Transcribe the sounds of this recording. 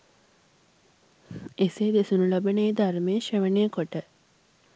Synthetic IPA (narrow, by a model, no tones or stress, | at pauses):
eseːd̪esunulɐbɐneːd̪armeːʃeʋəneːkoʈə